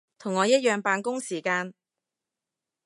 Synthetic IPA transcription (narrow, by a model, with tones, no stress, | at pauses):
t̪ʰʊ˨˩ŋːɔː˨˧jɐ˥t̚jœː˨ŋpaː˧nkʊ˥ŋsiː˨˩kaː˧n